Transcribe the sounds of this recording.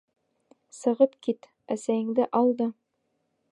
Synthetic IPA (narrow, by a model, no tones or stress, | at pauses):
sɤ̆ʁɤpkit̪ | æsæjɘ̆ŋd̪ɘʔɑlˠd̪ɤ